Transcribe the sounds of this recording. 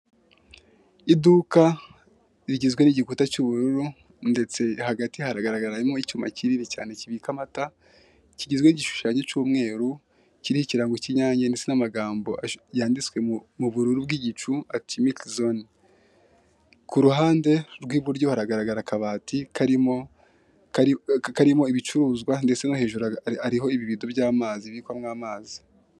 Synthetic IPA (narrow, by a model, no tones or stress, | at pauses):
iduka | iɾiɟizɡwe̞niɟikutat͡ʃuβuɾuɾu | nde̞t͡se̞haɡatihaɾaɡaɾaɡaɾajimŋoit͡ʃuːmaciɾinica̰ːneciβiːkamata | ciɟizɡwe̞niɟiʃu̥ʃaːɲet͡ʃuːmŋe̞ːɾu | ciɾihiciɾaːŋɡociɲaːɲanet͡senamaɡaːmbo̞ajaːndit͡swe̞muβuɾuɾubɡiːɟit͡ʃuatʰimikzon | kuɾuɦaːnde̞ɾɡwiːβuɾɟo̞haɾaɡaɾaɡaɾakaβaːtikaɾimo | kkaɾimo̞iβit͡ʃuɾuːzɡwande̞t͡se̞nohe̞ːʒuɾaɾiɦo̞iβiβidobjaːmaːziβikwamŋaːmaːzi